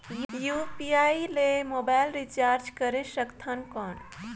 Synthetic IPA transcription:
jupiailemobajlɾit͡ʃaɾd͡ʒkəɾesəkt̪ʰənkɔn

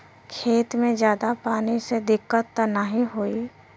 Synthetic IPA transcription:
kʰeːt̪mẽd͡ʒjaːd̪apaːnised̪ɪkːət̪ːnəɦĩɦoːi

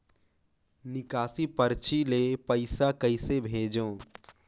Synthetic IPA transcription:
nɪkaːsipəɾt͡ʃilepəɪsakɐɪsebʱeːd͡ʒõː

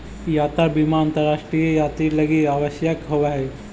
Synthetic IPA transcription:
jaːt̪abimaə̃nt̪əɾːaːʃʈɾijejaːt̪ɾilɐɡiaːʋəʃjəkɦoʋaɦɛ

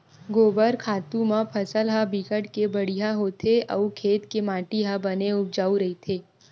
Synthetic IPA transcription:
ɡoːbəɾkʰaːt̪ũmə̃pʰəsəlɦabikəʈkebəɽ̤ijɦaɦoːt̪ʰeɐːkʰeːt̪kemãːʈiɦabɐneʊp̚d͡ʒaːuɾɐɦit̪ʰeː

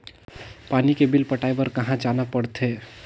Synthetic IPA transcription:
panikebilpəʈajbəɾkəɦãd͡ʒanapəɽt̪ʰe

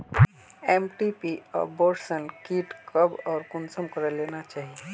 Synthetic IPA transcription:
eːmʈipiɔ̰ːɾboːɾsənkiːʈkəbɔːɾkʊnsəmkəɾəleːnat͡ʃaːɦie

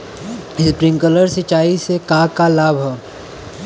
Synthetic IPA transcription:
ɪspɾĩŋkələɾsɪt͡ʃaːisekaːkalaːbʱɦɛ

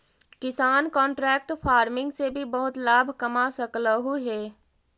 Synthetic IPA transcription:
kɪsaːnkɔ̃ːɳʈɾɛːk̚ʈpʰaːɾmɪ̃ŋɡsebʱibɐɦʊt̪laːbʱkɐmasəkləɦuɦɛː

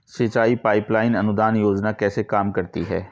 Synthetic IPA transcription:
sɪt͡ʃaːipaːɪplaːɪnɐnʊd̪aːnjoːd͡ʒnakɛːsekaːmkɐɾt̪iɦɛ̰ː

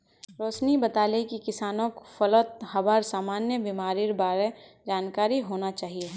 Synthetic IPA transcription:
ɾoːsnibɐt̪aːlekikɪsaːnõkfɐlət̪̚hɐbəɾsaːmaːnjəbimaːɾiɾbaːɾed͡ʒaːnkaːɾiɦoːnat͡ʃaːɦie

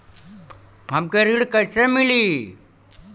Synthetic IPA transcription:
ɦəmkeɾiɽkəisemili

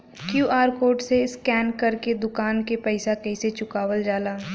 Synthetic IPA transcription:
kjuːʔaːɾkoːʈseskɛːnkɐɾked̪ʊkaːnkepɛɪsakɛɪset͡ʃʊkaːʋəld͡ʒaːlaː

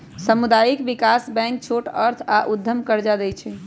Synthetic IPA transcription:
səmud̪ajikbikasbɛ̃ŋk̚t͡ʃʰoʈəɾt̪ʰaʔud̪ʱːəmkəɾd͡ʒad̪ɛt͡ʃʰɛ

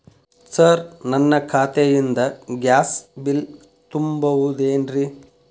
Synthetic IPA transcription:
sɐɾnɐnːɐkʰaːt̪ejind̪ɐɡjaːsbil | t̪umbɐʋud̪eːnɾi

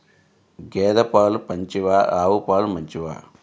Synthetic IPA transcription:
ɡeːd̪ɐpaːlupɐɲt͡ʃiʋaːaːʋupaːlumɐɲt͡ʃiʋa̰ː

